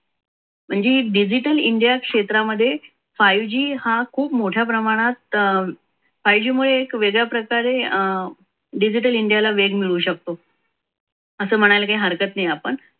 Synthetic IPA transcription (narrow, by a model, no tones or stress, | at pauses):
m̤əɳd͡zeɖid͡ʑiʈəliɳɖjakʂet̪ɾaməd̪ʱːje | fajʋd͡ʑiːhakʰuːpmoʈʰjapɾəmaɽ̃at̪̚ | fajʋd͡ʑiːmuɭeːkʋeɡɭjapɾəkaɾe | ɖid͡ʑiʈəliɳɖijalaʋeɡmiɭuːɕək̚t̪o | əsəːm̤əɽ̃ajləkaiɦəɾkət̪najapəɳ